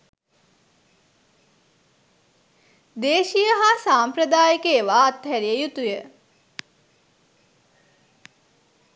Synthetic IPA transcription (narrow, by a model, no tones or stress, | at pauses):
d̪eːʃijəɦasaːmpɾəd̪aːjəkeːʋaːt̪ɦæɾijəjut̪ujə